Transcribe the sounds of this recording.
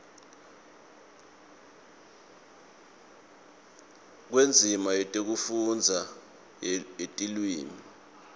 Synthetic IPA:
k̬wend͡zʱimaetʼek̬ufund͡zʱa | etʼilwiːmi

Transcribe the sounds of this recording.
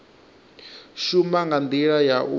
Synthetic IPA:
ʃumaŋɡand̪iɺajaʔu

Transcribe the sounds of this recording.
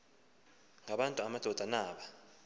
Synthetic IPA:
ŋaɓantʼuamad̥ʱɔd̥ʱanaːɓa

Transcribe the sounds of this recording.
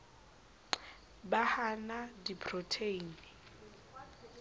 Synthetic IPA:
bahanadipʰrɔtʰeini

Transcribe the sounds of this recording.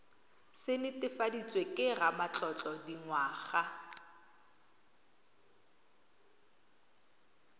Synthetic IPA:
sɪnɪtʼɪfadit͡sʼwekʼɪramat͡ɬʼɔt͡ɬʼɔdiŋwaːχa

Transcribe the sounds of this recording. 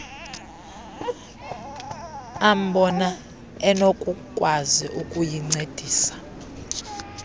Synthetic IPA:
am̩ɓɔna | ɛnokʼukʼwaziʔukʼujiŋ͡ǀed̥ʱiːsḁ

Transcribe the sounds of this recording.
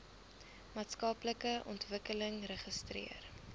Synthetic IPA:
mɑːtskɐpləkəʔɔ̰ntvəkələŋrəχəstrḭər

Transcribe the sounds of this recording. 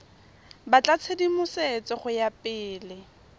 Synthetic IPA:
bat͡ɬʼat͡sʰedimʊset͡sɔχʊjapʼɪːlɪ

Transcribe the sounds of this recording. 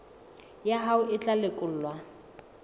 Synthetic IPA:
jaɦaʊʔɪt͡ɬʼalɪkʼʊl̩lwa

